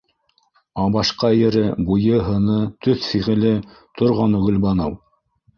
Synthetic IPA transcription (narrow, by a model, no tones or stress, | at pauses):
ɑβɑʃqɑjɘ̆ɾɘbujɤɦɤ̆nɤt̪ɵθfiʁɘ̆lɘ | t̪ŏɾʁɑnɵ̆ɡɵ̆lbɑnɤw